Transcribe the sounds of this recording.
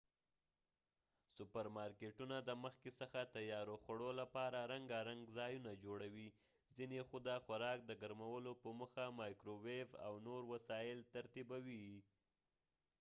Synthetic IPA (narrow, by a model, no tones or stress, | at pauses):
sʊpaɾmɑɾkeʈunad̪əməxkesəxat̪ajɑɾoxaɽolapɑɾaɾaŋɡaɾaŋɡzɑjunad͡ʒoɽawi | zinexʊd̪axaɾɑk̚d̪əɡaɾmawəlopəməxamɑjkɾoweva̰wnoɾwasɑjɪlt̪aɾt̪ibawi